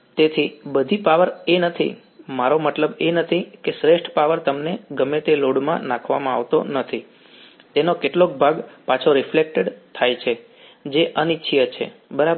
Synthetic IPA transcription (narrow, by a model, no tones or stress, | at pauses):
t̪et̪ʰibəd̪ʱipaʋəɾenət̪ʰḭ | maɾomət̪ləbenət̪ʰikesɾeʃʈʰpaʋəɾt̪əmneɡəmet̪eloɽmã̰nãkʰʋa̰mãaʋt̪o̰nət̪ʰi | t̪enokeʈlok̚bʱaɡpat͡ʃʰoɾɪflek̚ʈeɖt̪ʰajt͡ʃʰe | d͡ʒeʔənitːʃʰijət͡ʃʰḛbəɾab